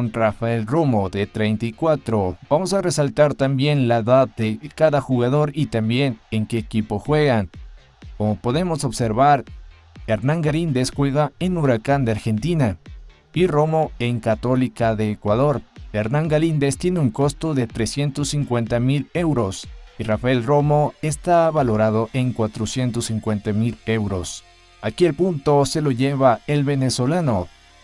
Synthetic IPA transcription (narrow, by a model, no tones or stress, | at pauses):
nrafae̞lromo̞ðe̞t̪ɾejnt̪ajkwat̪ɾo̞b̥amo̞sare̞salt̪aɾt̪ambje̞nlaeðaððe̞kaðaxuɣaðo̞ɾit̪ambje̞neŋke̞ːkipo̞xwe̞ɣan | komopo̞ðe̞mo̞so̞βse̞ɾβaɾ | eɾnãŋɡalind̪e̞sxweɣaenuɾakand̪eaɾxe̞nt̪ina | iro̞mo̞eŋkat̪o̞likaðe̞ːkwaðo̞ɾeɾnãŋɡalind̪e̞st̪je̞neuŋko̞st̪o̞ðe̞t̪ɾe̞sje̞nt̪o̞sːiŋkwe̞nt̪amile̞wɾo̞sirafaelro̞mo̞e̞st̪aβalo̞ɾað̞o̞ʔe̞ŋkwat̪ɾosjent̪osiŋkwe̞nt̪amile̞wɾo̞s | akielpunt̪o̞se̞lo̞ʝeβae̞lβe̞neso̞lano